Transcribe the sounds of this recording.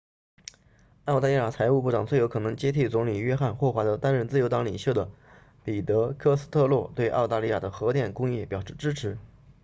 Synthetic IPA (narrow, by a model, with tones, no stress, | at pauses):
ɑ˥˧ʊt̪a˥˧li˥˩ja˨˩t͡sʰa˧˥ɪu˥˧pu˥˩ʈ͡ʂɑ˨˩ŋt͡swe˥˩ɪo˧˥ʊkʰɤ˨˩nɤ˧˥ŋt͡ɕjɛ˥t̪ʰi˥˩t͡sʊ˧˥ŋli˨˩ɥɛ˥xa˥˧nxwɔ˥˩xwa˧˥d̪ə˧t̪a˥nɻə˥˧nt͡sɹ̩˥˩jo˧˥ʊt̪ɑ˧˥ŋli˨˩ɕjo˥˩ʊd̪ə˩ | pi˨˩t̪ɤ˧˥kʰɤ˥sɹ̩˥t̪ʰɤ˥˧lwɔ˥˩t̪we˥˧ɪʔɑ˥˧ʊt̪a˥˧li˥˩ja̰˨˩d̪ə˦xɤ˧˥t̪jɛ˥˩nkʊ˥ŋjɛ˥˩pjɑ˨˩ʊʂɻ̩˥˩ʈ͡ʂɻ̩˥ʈ͡ʂʰɻ̩˧˥